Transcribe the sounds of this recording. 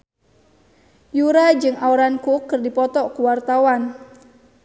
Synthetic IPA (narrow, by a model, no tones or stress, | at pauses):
juɾad͡ʒɨŋauɾankukːɨrdipɔt̪ɔkuwart̪awan